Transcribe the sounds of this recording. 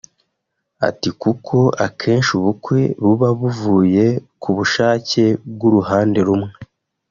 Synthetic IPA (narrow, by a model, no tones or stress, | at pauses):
a̰tikukʰo̞akʰe̞ːnʃuβukwe̞βuβaβuvuːje̞kʰuβuʃaːce̞b̚ɡuɾuhaːnde̞ɾumŋe